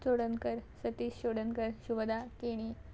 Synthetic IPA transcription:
t͡soɽənkəɾsət̪iːsɕoɽənkəɾɕuʋəd̪akeɽ̃i

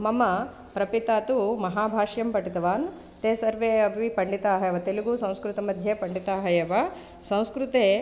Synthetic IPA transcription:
mɐmɐ | pɾɐpit̪aːt̪umɐɦaːbʱaːʂjɐmpɐʈit̪ɐʋaːn | t̪eːsɐɾʋeːɐʋipɐɳɖit̪aːɦɐjɐʋɐt̪eluɡusɐ̃w̃skɾut̪ɐmɐd̪ʱjepɐɳɖit̪aːɦɐjɐʋɐ | sɐ̃w̃skɾut̪eː

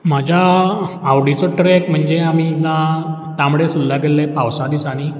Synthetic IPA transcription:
m̤ad͡ʑʱjaː | wɽit͡sɔʈɾekm̤əɳd͡zeamina | t̪amuɽesulːaɡelːepaʋsad̪isaɽ̃i

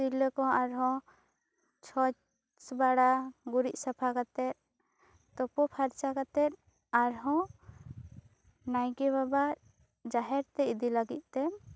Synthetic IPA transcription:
siləkɔ̃aɾɦɔ̃ | t͡ʃʰɔ | sbaɽaɡuɾiʔ̪̚ˀsapʰakat̪ɛt̪̚ | t̪ɔpɔpʰaɾt͡ʃakat̪ɛt̪̚ | aɾɦɔ̃ | najɡɛβaba | d͡ʒaɦɛɾt̪ɛid̪ilaɡit̪̚ˀt̪ɛ

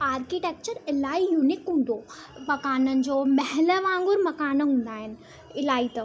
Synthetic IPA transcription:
aːɾkiʈeːk̚t͡ɕəɾɪlaːijuːnɪkɦũːn̆d̪omɐkaːnənɪ̆d͡ʑoːmɐɦɛləʋãːŋɡʊɾmɐkaːnɦũːn̆d̪aːɦɪnɪ̆ | ɪlaːit̪ɐ

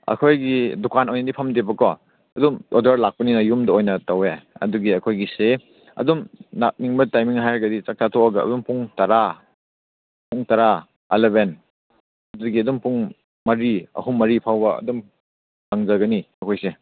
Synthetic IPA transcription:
ɐ̰kʰojɡidukanojnɐdipʰɐmdebɐkɔ | ɐdumɔ̰dɐɾlak̚pɐninɐjumdɐojnɐtaweɐ̰duɡiɐkʰojɡise | ɐ̰dumnak̚niŋbɐtajmiŋɦajɡɐdit͡ʃak̚tʰatʰɔaɡɐɐ̰dumpuŋtɐɾa | puŋtaɾa | eleben | ɐduɡiɐdumpuŋ | mɐɾiɐ̰ɦumːɐɾipʰawbɐɐ̰dum | kaŋzɐɡɐniɐkʰojse

